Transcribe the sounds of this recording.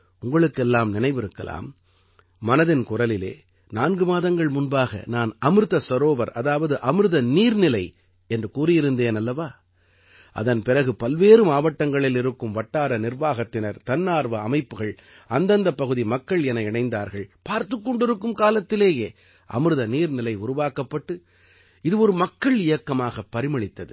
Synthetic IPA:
ʊŋɡɐɭɯkːɛlːaːmnɪnɐɪʋɪɾɯkːɐ̰la̰ːmː | ɐnɐðɪnkʊrɐlɪlḛː | naːnɡɯmaːðɐŋɡɐɭmʊnbaːɣɐ̰naːnɐmɯɾɯðɐsɐɾoːʋɐɾɐðaːʋɐðɯʔɐmɯɾɯðɐniːɾnɪlɐɪ | ɛndrɯkuːɾɪjɪɾɯnd̪eːnɐlːɐʋaː | ʔɐ̰ðɐnpɪrɐɣɯpɐlʋeːɾɯmaːʋɐʈːɐŋɡɐɭɪlɪɾɯkːɯmʋɐʈːaːɾɐnɪrʋaːɣɐt̪ːɪnɐɾt̪ɐnːaːɾʋɐɐmɐɪpːɯɣɐɭ | ɐnd̪ɐnd̪ɐpːɐɣɯðimɐkːɐɭɛnɐɪɳɐɪnd̪a̰ːɾɣɐɭpaːɾt̪ɯkːɔɳɖɪɾɯkːɯmkaːlɐt̪ːɪleːjeː | ʔɐ̰mɯɾɯðɐniːɾnɪlɐɪʊɾʊʋaːkɐpːɐʈːɯ | ɪðɯɔɾɯmɐkːɐɭɪjɐkːɐmaːɣɐpːɐɾɪmɐɭɪt̪ːɐðɯ

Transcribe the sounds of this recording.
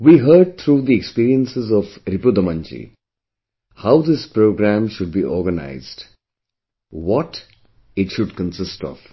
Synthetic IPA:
ʋiɦəːɖ̚t̪ʰɾuːd̪iekspiːɾiə̃nsɪzɔʋɾɪpʊd̪əmə̃nt͡ʃḭ | haʊd̪ɪspɾoːɡɾæ̃mʃʊɖ̚biːʔɔːɾɡəna̰ɪzɖ | wɔʈ | ɪʈʃʊɖkə̃nsɪsʈɔ̰ʋ̥

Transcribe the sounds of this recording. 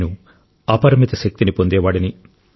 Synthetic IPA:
nu | ɐpɐɾɐmit̪ɐʃɐk̚t̪inipo̞nd̪ɛːʋaːɽɐni

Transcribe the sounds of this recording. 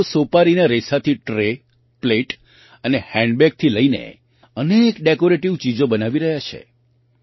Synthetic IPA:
sopaɾinaɾesat̪ʰiʈɾe | pleʈ | ənehɛ̃ɳɖbɛk̚t̪ʰiləinḛ | ənekɖekoɾeʈiʋt͡ʃid͡ʒobənaʋiɾəɦjat͡ʃʰḛ

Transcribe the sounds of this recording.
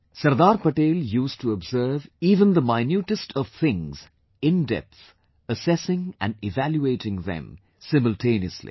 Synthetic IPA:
sɐɾd̪aːɾpəʈeːljuːsʈʰuɔbzəɾviːvə̃nd̪əmaɪnjuːʈəsʈʰɔʋ̥θɪ̃ŋz̥ | ɪ̃ndɛ̰p̚s | əsɛsɪ̃ŋæ̰̃nɖɪvæljueɪʈɪ̃ŋðɛ̰̃m | sɪ̃məlʈʰẽɪniəslḭ

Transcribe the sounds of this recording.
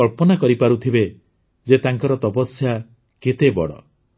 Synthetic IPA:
ɔɭpɔnakɔɾipaɾut̪ʰibe | d͡ʒet̪aŋkɔɾɔt̪ɔpɔsja | ket̪ebɔ̰ɽɔ̰

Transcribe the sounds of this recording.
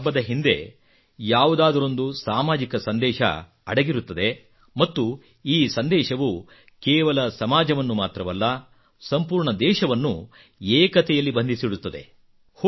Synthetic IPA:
bːɐd̪ɐɦind̪e̞̰ | jaːʋud̪aːd̪ɐɾo̞nd̪usaːmaːd͡ʒikɐsɐnd̪ɛːʃɐ̰ | ɐ̰ɽɐɡiɾut̪ːɐd̪e̞ | mɐt̪ːu | iːsɐnd̪ɛːʃɐʋu | kɛːʋɐlɐsɐmaːd͡ʒɐʋɐnːumaːt̪ɾɐʋɐlːɐ | sɐmpuːɾɳɐd̪ɛːʃɐʋɐnːu | eːkɐt̪ɛjɐlːibɐnd̪isiɽut̪ːɐd̪e̞̰ | h

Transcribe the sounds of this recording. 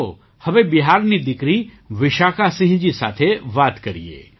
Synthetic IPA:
o | hɐʋebiɦaːɾnid̪ɪkɾi | ʋɪʃaːkasɪ̃ɦd͡ʒisa̰ːt̪ʰeʋaːt̪kəɾḭḛː

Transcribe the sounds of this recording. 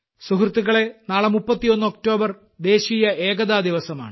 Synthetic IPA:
suɦrɨt̪ːuɣɐɭe̞naːɭemupːɐt̪ːijo̞nːɨok̚to̞ːbɐr | d̪e̞ːɕiːjɐe̞ːɡɐðaːd̪iʋɐsɐma̰ːɳɨ

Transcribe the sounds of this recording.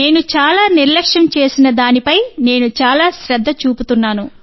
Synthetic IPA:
e̞ːnut͡ʃaːlaːniɾlɐkʂɐmt͡ʃe̞ːsinɐd̪aːnipɐjne̞ːnut͡ʃaːlaːʃɾɐd̪ʱːɐt͡ʃuːput̪unːaːnu

